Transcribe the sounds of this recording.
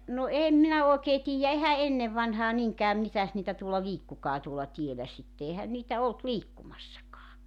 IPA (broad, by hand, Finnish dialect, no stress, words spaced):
no eːm minæ oˑekeː tiːjːæ ehæ enːeʋ ʋɑnhɑː niŋkæː mitæs niːtæ tuolːɑ liːkːukɑː tuolɑ tielæ sitːe ehæn niːtæ olt liːkːumɑsːɑkɑː